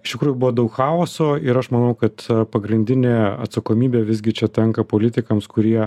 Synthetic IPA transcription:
ɪʃt̪ʲɪkɾuːjʊbʊʋoːd̪ɐʊkxɑːoːsoːɪɾɐʃmɐnɐʊkɐt̪pɐɡɾʲɪnʲd̪ʲɪnʲeːɐ̰t̪sɐkoːmʲiːbʲeːʋʲɪzʲɡʲɪt͡ʃʲɛt̪ʲɛŋkɐpoːlʲɪt̪ʲɪkɐmskʊɾʲiɛ

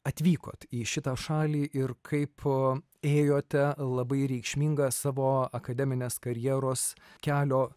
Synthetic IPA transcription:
ɐt̪ʲʋʲiːko̰ːt̪iːʃʲɪt̪ɑːʃɑːlʲiːʔɪɾkʰɐɪp | eːjoːt̪ʲɛlˠɐbɐɪɾʲɛɪkʃʲmʲiŋɡɐsɑːʋoːɐkɐd̪ʲɛmʲɪnʲeːskɐɾʲjɛːɾoːskʲæːlʲoː

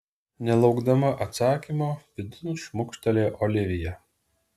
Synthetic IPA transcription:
nʲɛlˠɒʊɡd̪ɐmɐʔɐt̪sɑːkʲimoːʋʲɪd̪ʲɪnuʃmʊkʃʲt̪ɐlʲeːʔoːlʲɪʋʲɪjɛ

